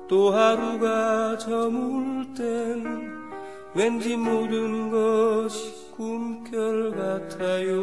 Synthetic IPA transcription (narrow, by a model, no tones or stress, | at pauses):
t̪oɦaɾuɡat͡ɕʌmuɭten | wend͡ʑimodɯnɡʌɕʰi̥ | k͈umkjʌɭkatʰajo